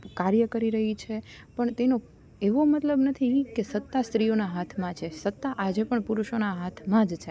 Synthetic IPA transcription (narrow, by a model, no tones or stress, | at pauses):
kaɾjəkəɾiɾəɦit͡ʃʰepəɳt̪eno | eʋomət̪ləbnət̪ʰikesət̪ːast̪ɾijonaɦat̪ʰmãt͡ʃʰesət̪ːaʔad͡ʒepəɳpuɾuʃonaɦat̪ʰmãd͡ʒt͡ʃʰe